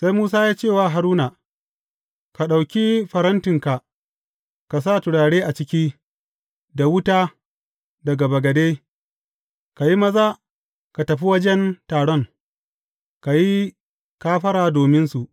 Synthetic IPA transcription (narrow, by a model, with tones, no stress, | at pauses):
sa˦jmuː˦s̬aː˦jaː˦t͡ʃeː˦˨waː˨ɦa˨ɾuː˦na˨ | ka˨ɗa˨wkʲi˦ɸɐ˨ɾɐ˦ntɪ˨ŋka˨ʔ | ka˨s̬a˦˨tʊ˨ɽaː˨ɽeː˦ʔa˨t͡ʃɪ˦kʲi˦ | da˨wʊ˦taː˦ | dɐ˨ɡa˨bɐ˨ɡɐ˨deː˦ | ka˨ji˦mɐ˦zaː˦ | ka˨tɐ˨ɸi˦wɐ˦d͡ʒɛ˦ntaː˨ɽɔ˦ŋ | ka˨ji˦ | kaː˦ɸɐ˦ɾaː˨doː˨mɪ˦nsu˨ʔ